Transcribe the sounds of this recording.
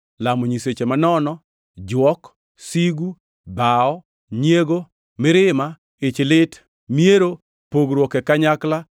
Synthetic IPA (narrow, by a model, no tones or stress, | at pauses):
lamɔɲiset͡ʃemanɔnɔ | d͡ʒwɔk | siɡu | baɔ | ɲeɡo | mɪɾɪma | ɪt͡ʃlɪt | mieɾo | poɡɾwɔkɛkaɲakla